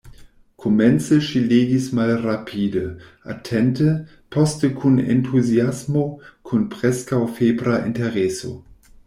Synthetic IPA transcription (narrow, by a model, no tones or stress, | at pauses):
kʰomɛnsəʃileːɡismalrapʰiːdəʔa̰tʰɛntə | pʰɔstəkʰunḛntʰuziasmokʰunpʁɛskawfeːbɾaʔḭnteʁɛso̰